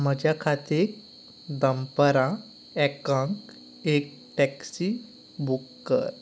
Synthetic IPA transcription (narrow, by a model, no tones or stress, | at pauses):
məd͡ʑjakʰat̪ek | d̪əmpəɾã | ɛkãŋk | ek̚ | ʈɛksi | bukːə̰ɾ